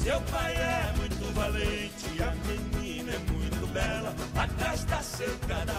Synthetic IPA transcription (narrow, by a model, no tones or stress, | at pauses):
sewpajɛmũj̃t̪ʊvalẽ | t͡ʃɪɐmenĩnɐɛmũj̃t̪ʊbɛlɐat̪aʃt̪asek̪ɐ